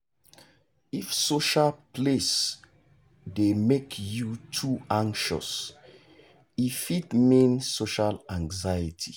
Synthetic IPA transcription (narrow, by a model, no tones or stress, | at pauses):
ifsoʃalpʰles | demekʰjutʰuãŋkʃɔ̰s | ifitmĩnsoʃalãŋzajitʰi